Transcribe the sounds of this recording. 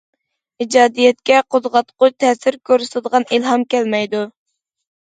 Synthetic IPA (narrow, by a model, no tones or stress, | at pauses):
id͡ʒɑːd̪ijɛt̪̚kʲɛqʰod̪ʁɑt̪qʰʊt͡ʃt̪ʰɛsɪɾkʲʰøɾysɨd̪əʁɑnilɦɑmkʲʰɛlmɛjd̪u